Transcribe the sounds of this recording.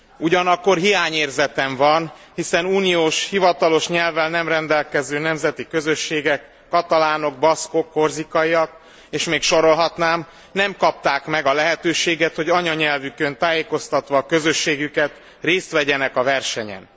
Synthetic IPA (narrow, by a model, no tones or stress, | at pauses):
uɟɒnɒkːo̞rɦijaːɲeːrzɛt̪ɛɱvɒnhisɛnuːnijoːʃhivɒt̪ɒlo̞ʃɲɛlvɛlnɛmrɛnd̪ɛlkɛzøːnɛmzɛt̪ikø̞zø̞ʃːeːɡɛkːɒt̪ɒlaːno̞ɡ̚bɒsko̞kːo̞rzikɒiɒk | eːʃmeːkʃo̞ɾo̞lɦɒt̪naːm | nɛmkɒp̚t̪aːkmɛɡɒlɛɦɛt̪øːʃeːɡɛt̪ho̞ɟɒɲɒɲɛlvykønt̪aːjeːko̞st̪ɒt̪ʋɒkø̞zø̞ʃːeːɡykɛt̪ | reːst̪ʋɛɟɛnɛkɒvɛrʃɛɲɛ̰n